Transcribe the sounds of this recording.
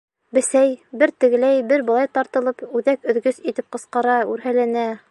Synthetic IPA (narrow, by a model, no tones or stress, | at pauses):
bɘ̆sæjbɘɾt̪ɘ̆ɡɘ̆læjbɘɾbɤ̆lˠɑjt̪ɑɾt̪ɤ̆lˠɤpʉðækɵ̆ðɡɵsit̪ɘp̚qɤ̆sqɑɾɑʉɾɦælænæ